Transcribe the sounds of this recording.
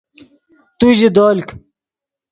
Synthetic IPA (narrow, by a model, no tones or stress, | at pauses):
t̪uʑid̪oːlk